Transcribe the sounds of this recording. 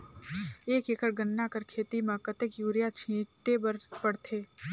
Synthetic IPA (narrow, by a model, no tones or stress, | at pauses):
eːkeːkəɾɡənːakəɾkʰeːt̪imãkət̪ekjuːɾjat͡ʃʰĩːʈːebəɾpəɽt̪ʰeː